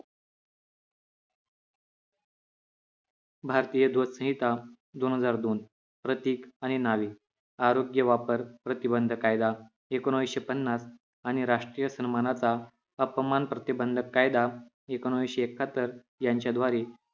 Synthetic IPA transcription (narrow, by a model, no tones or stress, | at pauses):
bʱaɾt̪ijəd̪ʱot̪sə̃ɦit̪a | d̪onɦəd͡zaɾd̪on | pɾət̪iːkaɽ̃inaʋiː | aɾoɡjəʋapəɾpɾət̪ibənd̪ʱəkajd̪a | ekoñʋiɕepənːas | añiɾaʂʈɾijəsənmanat͡sa | əpmanpɾət̪ibənd̪ʱəkajd̪a | ekonʋiɕeekʰət̪əɾ | jaɲt͡ɕjad̪ʱʋaɾi